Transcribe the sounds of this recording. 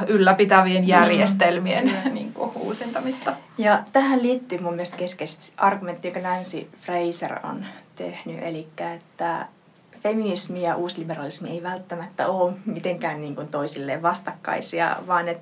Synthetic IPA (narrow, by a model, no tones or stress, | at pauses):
ylːæpit̪æʋienjærjest̪elmiennḭːŋkuṵːsint̪ɑmist̪ɑjɑt̪æhælliːt̪ːyːmumːielest̪̚keskeist̪ʔɑrɡ̥ument̪ːiːjokɑnɑnsḭfreisḛro̰nt̪ḛhny̰ʔḛlikːæet̪ːæ | feminismijɑʔuːsliberɑlismieiʋælt̪ːæmæt̪ːæ̰oːmit̪eŋkæːnniːŋkunt̪oisilːḛːʋʋɑst̪ɑkːɑ̰isiɑ̰ʋɑːnet̪